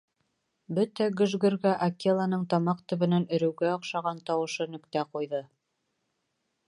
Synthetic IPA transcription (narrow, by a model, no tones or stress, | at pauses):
bɵt̪æɡɵ̆ʒɡɘ̆ɾɡæʔɐkelˠɑnɤɴt̪ɑmɑqt̪ɵ̆βɘ̆nænɵ̆ɾɵ̆wɡæŏqʃɑʁɑnt̪ɑwɤ̆ʃɤnɵ̆kt̪æqujðɤ